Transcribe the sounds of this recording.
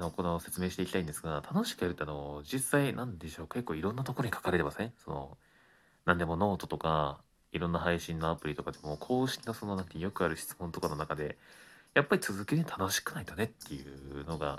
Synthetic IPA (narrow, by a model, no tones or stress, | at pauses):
ano̞ko̞nose̞t͡sɨme̞ːɕi̥t̪e̞ikʲit̪aĩnd̪e̞sɨɡat̪ʰano̞ɕi̥kɯ̟jaɾɯ̟t̪ːeano̞d͡ʑisːainãnd̪e̞ɕo̞ːke̞kːoːiɾõ̞nːat̪oko̞ɾo̞ɲ̟ikʰḁkaɾe̞t̪emasẽso̞̰no̰ | nãnd̪e̞mo̞no̞ːt̪o̞t̪o̞ka | iɾõ̞nːaɦaiɕĩnːo̞apɯ̟ɾʲit̪o̞kad̪emo̞kʰo̞ːɕi̥kʲino̞so̞no̞nãŋkajo̞kɯ̟aɾɯ̟ɕi̥t͡sɨ̥mont̪o̞kano̞nakad̪e̞japːaɾʲit͡sɨzɨkeɾet̪ʰano̞ɕi̥kɯ̟nait̪one̞t̪ːe̞jɯ̟̰no̞ɡa̰